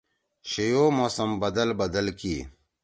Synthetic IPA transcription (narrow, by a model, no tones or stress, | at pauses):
ɕejoːmoːsɐmbɐd̪ɐlbɐd̪ɐlkiː